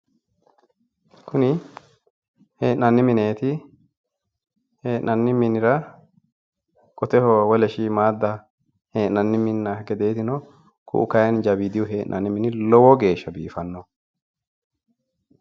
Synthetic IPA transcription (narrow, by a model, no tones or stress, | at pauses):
kʰʊnɪ | heːʔnɐnːɪmɪne̞ːt̪ɪ | heːʔnɐnːɪmɪnɪɾɐ | kʼɔt̪ɛhɔwɔlɛʃiːmaːd̪ːɐ | heːʔnɐnːɪmɪnːɐɡɛd̪eːt̪ɪnɔ | kʰʊ̰ʔʊ̰kɐjɛnd͡ʒɐbiːd̪ɪwɔɦeːʔnʔɐnːɪmɪnɪlɔwɔɡe̞ːʃːɐbḭːfɐnːɔ